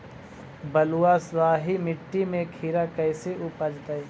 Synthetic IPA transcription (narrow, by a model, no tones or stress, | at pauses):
bɐluaswaːɦimɪʈːimẽkʰiːɾakɐːseʊpəd͡ʒt̪ai